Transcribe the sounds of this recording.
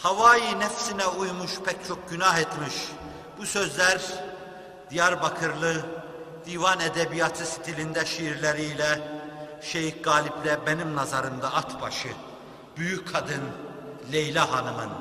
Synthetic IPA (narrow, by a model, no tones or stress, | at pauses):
havaːjinɛfsinɛujmuʃpʰɛct͡ʃʰo̞k̚ɟynaɦet̪miʃ | b̥usøzlʲæɾ | d̪̥ijaɾbakʰɯɾlˠɯ | d̪̥iːvɑnɛd̪ɛbijat̪ʰɯsi̥t̪ʰilʲind̪ɛʃiɾlʲeɾiilʲɛ | ʃejikɡaːlʲiplʲɛbenimnazaɾɯmd̪aːt̪ʰba̰ʃɯ | b̥yjyckʰːad̪ɯn | lʲejlʲɛɦanɯmɯn